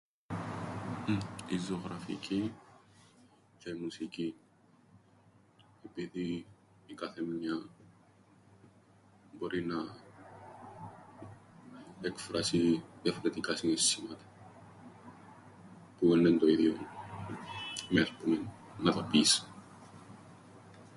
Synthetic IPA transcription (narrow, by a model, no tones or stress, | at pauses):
izoɣɾɐfḭci | ceimusici | epiði | ikɐθemɲɐ | bo̞ɾinɐ | ekfɾɐsiðjɐfo̞ɾe̞t̪ikɐsinesimɐt̪ɐ̥ | puenːent̪o̞iðjo | mespume | nɐt̪opis